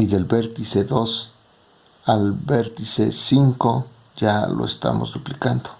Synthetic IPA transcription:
iðelbeɾt̪ised̪os | albeɾt̪isesiŋko | jalo̰est̪a̰mo̰sd̪uplikand̪̥o̥

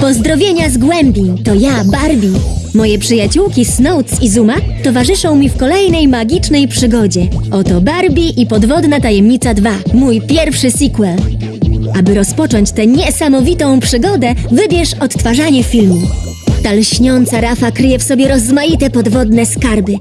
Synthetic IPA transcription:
pɔzd̪ɾɔvʲjeɲazɡwɛmbʲit̪ɔjabaɾbʲimɔjɛpʂɘjat͡ɕuwkʲisnɔwt̪sizumat̪ɔvaʐɘʂɔ̃w̃mʲifkɔlɛjnɛjmaɡʲit͡ʂnɛjpʂɘɡɔd͡ʑɛʔɔt̪ɔbaɾbʲiʔipɔd̪vɔd̪nat̪ajɛmɲit̪sad̪vamujpʲjɛɾfʂɘsʲikwɛl | ʔabɘɾɔspɔt͡ʂɔɲt͡ɕt̪ɛɲɛsamɔvʲit̪ɔ̃w̃pʂɘɡɔd̪ɛvɘbʲjɛʂɔt̪ːfaʐaɲɛfʲilmʲi | t̪alɕɲɔnt̪saɾafakɾɘjɛfsɔbʲjɛɾɔzmajit̪ɛpɔd̪vɔd̪nɛskaɾbɘ

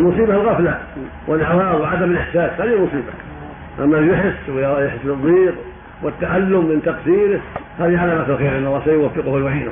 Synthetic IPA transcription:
lmʊsˤiːbahalɣafla | wʔɪlʔawaːwwɪʕad̪amɪlʔɪħsaːshaːðihɪlmʊsˤiːba | ʔamːajʊħɪsːwɪjjaħɪsːlɨðˤːiːq | wɪt̪ːaʕalːʊmːɪnt̪ɑqsiːɾɪhhaːðiʕalamasalxeːɾʔɪnːɑlːɑːhsajʊwafːɪqʊhalwaʕiːna̰

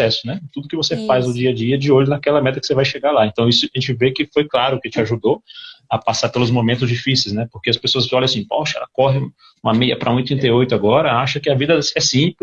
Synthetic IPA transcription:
ɛsʊ̥nɛt̪ud̪ʊkɪvosefajzʊd͡ʒiɐd͡ʒiɐd͡ʒɪoʎʊnakɛlɐmɛt̪ɐkɪ̥sevajʃeɡalaẽnt̪ɐ̃w̃isʊaʒẽnt͡ʃɪvekɪfojklaɾʊkɪt͡ʃɪaʒud̪oɐpasapelʊzmõmẽnt̪ʊzd͡ʒifisejznɛpoɾkeɐspesoɐsɔʎɐ̃asĩpɔʃɐɛ̰lɐ̰kɔɦɪũ | ũmɐmejɐ̰pɾɐũit̪ɾĩnt̪eojt̪ʊaɡɔɾɐaʃɐkɪɐvid̪ɐɛsĩplɪ

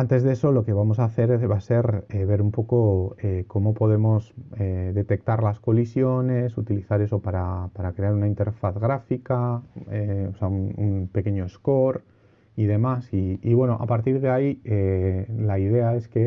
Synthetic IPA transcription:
ant̪e̞zðe̞so̞lo̞ke̞β̞amo̞s̬aθe̞ɾβase̞ɾeβe̞ɾumpo̞ko̞eko̞mo̞po̞ð̞e̞mo̞seðe̞t̪e̞k̚t̪aɾlasko̞lisjo̞ne̞sut̪iliθaɾe̞so̞paɾapaɾakɾe̞aɾunaint̪e̞ɾfaθɣɾafikaeoseaununpe̞ke̞ɲo̞esko̞ɾ | ið̞e̞masiːβwe̞no̞ʔa̰paɾt̪iɾð̞eaielaiðe̞ae̞ske̞

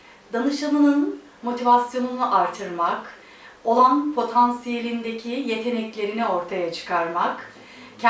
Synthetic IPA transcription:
d̪anɯʃanɯnɯn | mo̞t̪ʰivasjo̞nuunuʔaɾt̪ʰɯɾmak | o̞lˠanpʰo̞t̪ʰansije̞lʲind̪e̞cʰije̞t̪ʰe̞nɛclʲe̞ɾinio̞ɾt̪ʰajat͡ʃʰɯ̥kʰaɾmak | cʰ

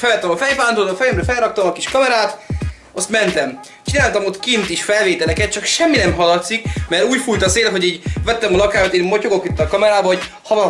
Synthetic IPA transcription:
fɛlvɛt̪ːɛmɒfɛjpaːnt̪oːd̪ofɛjɛmɾɛfɛlrɒkt̪ɒmɒkiʃkɒmɛɾaːt̪ | ost̪mɛnt̪ɛm | t͡ʃinaːlt̪ɒmot̪kint̪iʃfɛlveːt̪ɛlɛkɛt̪̚t͡ʃɒkʃɛmːinɛmɦɒlɒt̪sikmɛɾuːcfuːjt̪ɒseːlɦo̞ɟiːɟvɛt̪ːɛmɒlɒkaːjɒt̪eːmocoɡokit̪ːɒkɒmɛɾaːbɒɦo̞ɟ | hɒvɒn

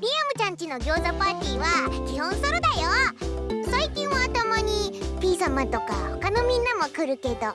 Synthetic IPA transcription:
ɾʲiamɯ̟t͡ɕãɲ̟t͡ɕino̞ɡʲo̞ːzapaːt̪ʲiːβakʲihõɰ̃soɾod̪ajo | saikʲĩɰ̃βat̪o̞mo̞ɲ̟ipʲiːsamãt̪o̞ka̰hokano̞mʲĩnːamo̞kɯ̟ɾɯ̟ke̞d̪o̞

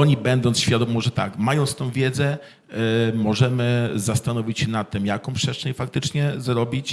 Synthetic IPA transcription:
ɔɲibɛnd̪ɔnsɕfʲjad̪ɔmmːɔʐɛt̪a̰kmajɔ̃nt̪st̪ɔ̃w̃vʲjɛd̪zɛ | mɔʐɛmɘzast̪anɔvʲit͡ɕɕɛnat̪ːɘmjakɔ̃w̃pʂɛstt͡ʂɛɲfak̚t̪ɘt͡ʂɲɛzɾɔbʲit͡ɕ

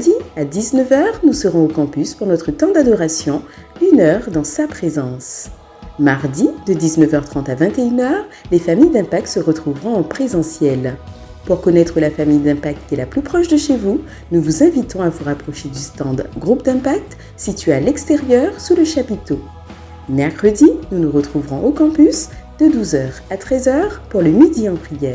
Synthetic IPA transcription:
d̪iad̪iznəvœʁnusəʁɔ̃okɑ̃pyspuʁnɔt̪χət̪ɑ̃d̪ad̪ɔʁasjɔ̃ | ynœʁd̪ɑ̃sapχezɑ̃s | maʁd̪id̪əd̪iznəvœʁt̪χɑ̃t̪avɛ̃t̪eynœʁlefamijd̪ɛ̃pak̚t̪səʁət̪χuvʁɔ̃ɑ̃pχezɑ̃sjɛl | puʁkɔnɛt̪χəlafamijd̪ɛ̃pak̚t̪̚kːʲɛlaplypχɔʃd̪əʃevu | nuvuzɛ̃vit̪ɔ̃avuʁapχɔʃed̪yst̪ɑ̃d̪ɡʁup̚d̪ɛ̃pak̚t̪ | sit̪ɥealɛkst̪eʁjœʁsuləʃapit̪o | mɛʁkχəd̪inunəʁət̪χuvʁɔ̃ʔokɑ̃pysd̪̥əd̪uzœʁat̪χɛzœʁpuʁləmid̪iɑ̃pʁijɛːʁ

